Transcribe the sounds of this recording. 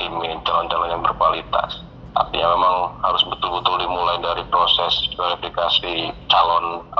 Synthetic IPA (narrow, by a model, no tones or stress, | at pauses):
t̪imint͡ʃalɔnt͡ʃalɔnjaŋbərkualit̪a̰s | t̪a̰pḭjamemaŋhaɾʊsbət̪ʊlbət̪ʊldimulajdaɾipɾosɛsveɾifikasit͡ʃalɔn